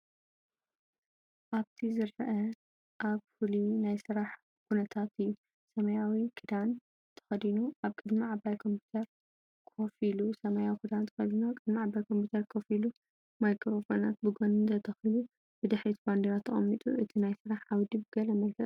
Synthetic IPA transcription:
ʔaβt̪ʰizɨɾfɐʔɐ | ʔaβfulinajsɨɾaħ | kʰunɐt̪ʰat̪ɨjːu | sɐmɐjawikʰɨd̪an | t̪ʰɐ̥xɐd̪inuʔaβkʼɨd̪miʕabajkʰo̞mpʰu̥t̪ʰɐɾ | kʰofilusɐmajawikʰɨd̪ant̪ʰɐ̥xɐd̪inuakʼɨd̪miʕabajkʰo̞mpʰut̪ʰɐɾkʰofilu | majkʰɾofona̰t̪̚bɨɡonɨnt̪ʰɐt̪ʰɐxilu | bɨd̪ɨħɾit̪band̪eɾat̪ʰːɐχʼɐ̰mːit̪ʼṵʔɨt̪ʰinajsɨɾaħawd̪ibɨɡɐlɐmɐlkʰɐ

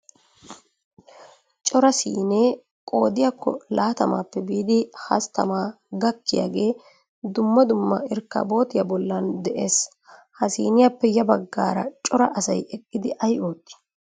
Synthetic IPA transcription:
t͡ʃʼɔɾɐsḭːneː | kʼo̞ːd̪ɪjakːɔ̰laːt̪ɐma̰ːpːɛbiːd̪ɪhɐ̰st̪ɐ̰maː | ɡɐkːɪja̰ːɡe̞ː | d̪ʊmːɐd̪ʊmːɐɪɾkːa̰ːbo̞ːt̪ɪjaːbɔlːɐnd̪ɛʔe̞ːs | hɐsḭːnɪjaːpːɛjɐbɐɡːa̰ːɾɐ̰t͡ʃʼɔɾɐʔɐsɐjɛkʼːɪd̪ɪʔɐjoːt̪ʼːɪ̥

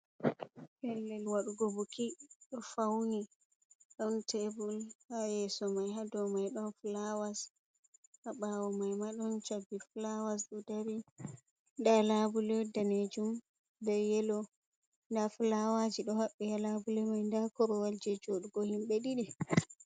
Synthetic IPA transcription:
hɛlːɛlwaɗuɡobukiɗɔfawni | ɗɔntʰɛbulhajɛsɔmajɦadɔmajɗɔnflawas | haɓawɔmajmaɗɔnt͡ʃabːiflawas̬ɗɔdaɾi | ndalabulɛdaned͡ʒum | dɛjɛlɔ | ndafulawad͡ʒiɗɔhaɓːɛjalabulɛmajndakɔɾɔwald͡ʒɛd͡ʒoɗuɡohimɓɛɗiɗɛ

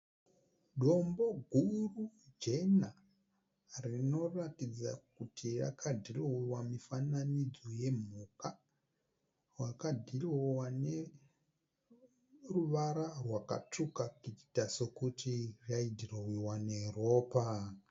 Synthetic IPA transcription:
ɗo̞mbo̞ɡʱurud͡ʒe̞na | rino̞ratid͡za̰kutʰira̰kʰadʱirowamifananid͡zoje̞m̤uka | rwakadʱiriwane̞ | ruʋaɾarwaka̰tʰukakiti̥tasokutirjaidʱirowiwaneroːpa

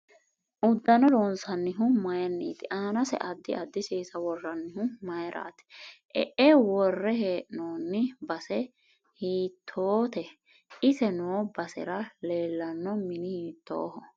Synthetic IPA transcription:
ʔʊd̪ːɐnɔloːnsɐnːɪɦʊmɐjɐnːḭːt̪ɪʔaːnɐsɛ̰ʔɐd̪ːɪʔɐd̪ːɪʃeːsɐwɔrːɐnːɪhʊmɐjɾʔa̰ːt̪ɛ̥ʔɛ̰ʔɛwɔrːɛheːʔnoːnːɪbɐsɛ | hiːt̪ʰːoːt̪ɛ | ɪsɛnɔbɐsɛ̰ɾɐleːlːɐnːɔmɪnɪhiːt̪ːo̰ːhɔ

